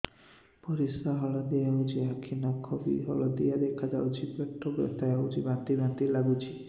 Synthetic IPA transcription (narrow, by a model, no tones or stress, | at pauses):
pɔɾisaɦɔɭɔd̪ɛjawd͡ʒiakʰinɔkʰɔbḭɦɔ̰ɭɔd̪ijad̪ekʰad͡ʒawt͡ʃʰipɔʈʰːɔbɔ̰t̪ajaud͡ʒibãt̪ibãt̪ilaɡut͡ʃʰi